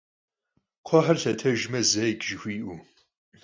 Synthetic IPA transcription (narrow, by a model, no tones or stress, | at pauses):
qʷʰɔħɐrɬɐtʰɐʒmɐzɐjɡʒɪxʷiːʔu